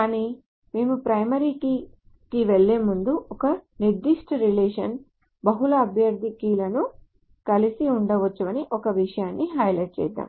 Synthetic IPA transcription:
kaːniː | meːmupɾɐjmɐɾiːki | kiʋeɭːeːmund̪uʔɔkɐniɾd̪iʂʈʰɐɾileːʂɐn | bɐɦulɐːbʱjɐɾd̪ʱikiːlɐnu | kɐlisiuɳɖɐʋɐt͡ʃːuʋɐniʔɔkɐʋiʂɐjaːnːiɦɐjlɐʈ̚t͡ʃɛ̰ːd̪ːa̰ːm

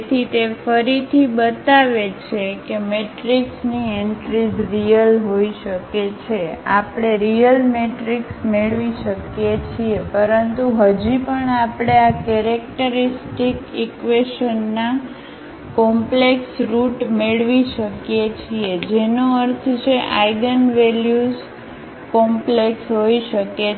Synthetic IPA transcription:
t̪ʰit̪efəɾit̪ʰibət̪aʋet͡ʃʰekemeʈɾiksnieɳʈɾid͡ʒɾijəlɦoiʃəket͡ʃʰeapɽ̃eɾijəlmeʈɾiksmeɭʋiʃəkjet͡ʃʰiepəɾənt̪uɦəd͡ʒipəɳapɽ̃eakɛɾek̚ʈəɾisʈikikʋeʃənːa | kɔmpleksɾuʈmeɭʋiʃəkjet͡ʃʰied͡ʒenoəɾt̪ʰt͡ʃʰeʔaiɡənʋeljuz | kɔmpleksɦoiʃəke

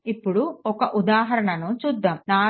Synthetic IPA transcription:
ipːuɽuɔkɐʔud̪aːɦɐɾɐɳɐnut͡ʃuːd̪ːaːmnaː

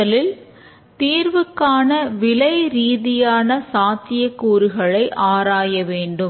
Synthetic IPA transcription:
ɐlɪl | t̪iːɾʋɯkːaːnɐʋɪlɐɪɾiːðɪjaːnɐsaːt̪ɪjɐkːuːɾɯɣɐɭɐɪʔaːɾaːjɐʋeːɳɖɯ

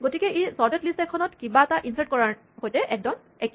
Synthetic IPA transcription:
ɡotikɛesɔɹdɛtlisɛkʰːɔnɔtkibaɛtaʔinsaɹt̚kɔɹa | hojtɛʔɛk̚dɔn | ɛk

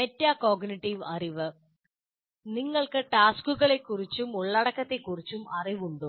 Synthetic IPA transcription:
metːaːko̞ːɡniʈːiʋɐriʋɨ | niŋːɐɭkɨʈaːskuɣɐɭe̞kːurit͡ɕːumuɭːɐɽɐkːɐt̪ːe̞kːurit͡ɕːumɐriʋuɳɖu

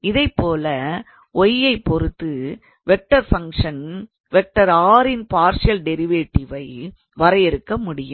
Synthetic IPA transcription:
ɪðɐɪpːoːlɐ | ʔɔjːɐɪpːɔɾɯt̪ːɯ | ʋɛk̚ʈːɐɾfɐŋkʂɐn | ʋɛk̚ʈːɐɾaːɾɪnpaːɾsɪɐlɖɛɾɪʋeːʈːɪʋɐɪ | ʋɐɾɐjɪɾɯkːɐmʊɽɪjɯm

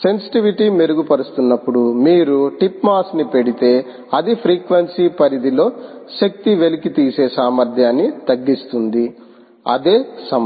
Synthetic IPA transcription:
se̞nsi̥ʈiʋiʈiːmeɾuɡupɐɾust̪unːɐpːuɽumiːɾuʈipmaːsnipe̞ɽit̪e̞ː | ɐd̪ipʰɾiːkʋɐnsiːpɐɾid̪ilo̞ːʃɐk̚t̪iʋe̞likit̪iːse̞ːsaːmɐɾd̪ʱjaːnːit̪ɐɡːist̪und̪i | ɐd̪e̞ːsɐm

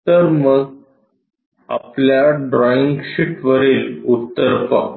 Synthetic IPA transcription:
əɾmə | ə̰plaɖɾɔiŋɡɕiʈʋəɾiːlut̪ːəɾpa̰

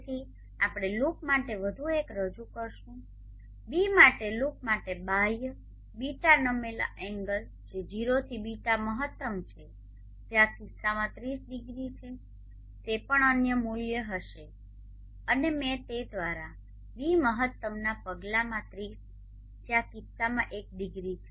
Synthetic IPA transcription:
t̪ʰi | apɽ̃elukmaʈeʋəd̪ʱuekɾəd͡ʒukəɾʃũ | bimaʈeluk̚maʈebaj | biʈanəmela̰ʔɛ̃ŋɡəl | d͡ʒed͡ʒiɾot̪ʰibiʈaməɦət̪ːəmt͡ʃʰe | d͡ʒeakisːamãt̪ɾisɖiɡɾit͡ʃʰe | t̪epəɳənjəmuljəɦəʃe | ənemɛ̃t̪ed̪ʋaɾa | biməɦət̪ːəmnapəɡlamãt̪ɾis | d͡ʒeakisamãʔek̚ɖiɡɾit͡ʃʰe

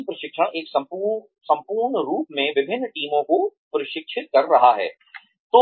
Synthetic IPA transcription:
pɾɐʃɪkʃãʔeːksɐ̃ | sɐ̃mpuːɾɳɾuːpmẽʋɪbʱɪnːʈiːmõkopɐɾɪʃɪkʃʰɪt̪̚kɐɾːɐɦaɦɛ̰ː | t̪oː

